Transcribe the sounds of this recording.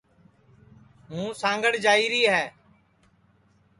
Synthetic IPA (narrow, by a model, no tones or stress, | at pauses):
ɦũːsãːŋɡəɽd͡ʒaːiːɾiːɦɛː